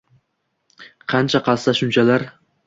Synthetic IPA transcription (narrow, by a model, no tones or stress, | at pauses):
qʰɑnt͡ʃʰaqɑlsaʃʊnt͡ʃʰalaɾ